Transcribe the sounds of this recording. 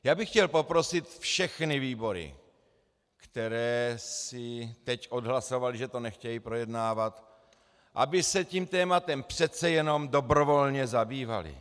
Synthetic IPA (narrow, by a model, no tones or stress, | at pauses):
jaːbɪxcɛlpo̞pɾo̞sɪt̪fʃɛxnɪviːbo̞ɾɪ̰ | kt̪ɛɾɛːsɪt̪ɛcʔo̞dɦlaso̞valɪʒɛt̪o̞nɛxcɛjipɾo̞jɛdnaːvat̪ | ʔa̰bɪsɛciːmt̪ɛːmat̪ɛmpr̥ɛt͡sɛjɛno̞mdo̞bɾo̞vo̞lɲɛzabiːva̰lɪ̰